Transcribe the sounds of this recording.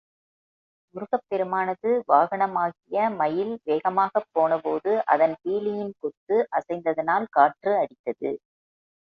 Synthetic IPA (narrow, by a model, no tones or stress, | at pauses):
ʊɾʊɣɐpːɛɾɯmaːnɐðɯʋaːɣɐɳɐmaːɣɪjɐmɐjɪlʋeːɣɐmaːɣɐpːoːnɐpoːðɯʔɐ̰ðɐnpiːlɪjɪnkɔt̪ːɯʔɐsɐɪnd̪ɐðɐnaːlkaːʈrɯɐɽɪt̪ːɐðɯ̰